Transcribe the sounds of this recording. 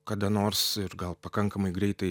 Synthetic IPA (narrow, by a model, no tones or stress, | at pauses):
kɐd̪ɐnoːɾsɪɾɡɐlˠpɐkɐŋkɐmɐɪɡɾʲɛɪt̪ɐɪ